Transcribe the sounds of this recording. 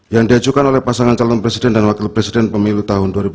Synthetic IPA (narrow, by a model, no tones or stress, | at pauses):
jaŋdiad͡ʒukanolɛhpasaŋant͡ʃalɔnpɾɛsidɛndanwakɪlpɾɛsidɛnpəmilut̪aɦʊnduaɾibu